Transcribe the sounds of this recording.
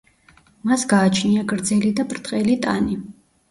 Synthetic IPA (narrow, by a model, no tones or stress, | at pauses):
masɡaːt͡ʃʰniaɡɾd̪zɛlid̪apʼɾt̪ʼqʼɛlit̪ʼa̰ni